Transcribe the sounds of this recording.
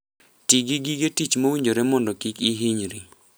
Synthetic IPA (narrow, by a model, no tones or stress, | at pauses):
tiɡiɡiɡetit͡ʃmowiɲd͡ʒoɾɛmɔndɔkikiɦiɲɾi